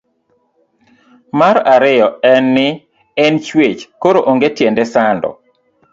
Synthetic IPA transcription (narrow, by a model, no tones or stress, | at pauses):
maɾaɾɪjɔɛnːɪ | ɛnt͡ʃwet͡ʃkoɾoʔoŋɡetjɛndɛsandɔ̰